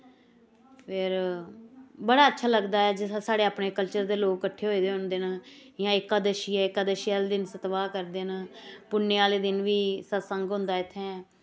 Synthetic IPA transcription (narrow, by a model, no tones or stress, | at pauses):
pʰɪɾ | bəɽaːətːʃʰaːləɡd̪aːɛːd͡ʒɪasaːɽeːaːpɳeːkəlt͡ʃəɾd̪eːloːkːəʈʰːeːɦoːid̪eːɦʊnd̪eːnjãːɪkaːd̪əʃiːɛːɪkaːd̪əʃjaːld̪ɪnsət̪ʋaːkəɾd̪eːnpʊnːeːaːleːd̪ɪnʋiːsəsəŋɡɦʊ̃nd̪aːɪt̪ʰːɛ̃ːɛː